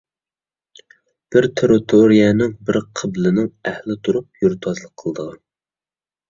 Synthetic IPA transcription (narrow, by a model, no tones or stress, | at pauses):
b̥ɪɾt̪ʰeɾɪt̪ʰoɾijɛnɪŋbɪɾqʰəblɪnɪŋæhlɪt̪ʰuɾup̚joɾt̪ʰɑzlˠəqʰːəlˠd̪əʁɑ